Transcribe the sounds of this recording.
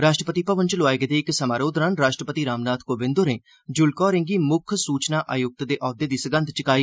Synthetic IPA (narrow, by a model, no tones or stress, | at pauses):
ɾaːʃʈɾəpət̪iːpəʋənt͡ʃlʊaːeɡd̪eːɪksəmaːɾoːd̪ɾaːnɾaːʃʈɾəpət̪iːɾaːmnaːt̪ʰkoːbɪ̃nd̪oɾẽː | d͡ʒʊlkɔːɾɪ̃ŋɡiːmʊkʰsuːt͡ʃnaːʔaːjʊk̚t̪d̪eːʔɔːd̪eːd̪iːsəɡənd̪t͡ʃəkaːiː